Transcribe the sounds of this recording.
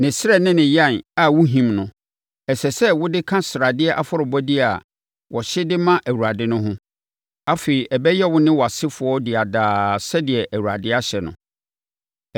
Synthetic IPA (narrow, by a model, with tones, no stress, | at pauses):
nɪ̃˨sɪ˦ɾɛ˦nɪ̃˦nɪ̃˨jã˦˨na˨wʊ˦ɦĩ˨mnʊ̃˨ | ɛ˨sɛ˨sɛ˦wʊ˦dɪ˦kʰã˦sɪ˨ɾa˨dɪ˦ɛ˦ʔa˨fɔ˦ɾɪ˨bɔ˦dɪ˦a˨ | wɔ˨ɕɪ˦dɪ˦mã˦ʔæ˨wu˨ɾa˨dɪ˦nʊ̃˦ɦʊ̃˦ | a˦feː˨i˨ʔɛ˨bɛ˦jɛ˦wʊ˦nɪ̃˦wɔ˨a˨sɪ˦fʊ˨ɔ˦dɪ˨a˨daː˨sɛ˦dɪ˨ɛ˨ʔæ˨wu˨a̰˨dɪ˦a˦ɕɛ˨nʊ̰̃˨